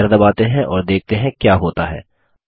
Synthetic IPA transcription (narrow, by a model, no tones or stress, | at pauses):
ɐɾd̪əbaːt̪eɦɛ̃ʔɔːɾd̪eːk̚ʰt̪eɦɛ̃kjaːɦoːt̪aɦɛ̰ː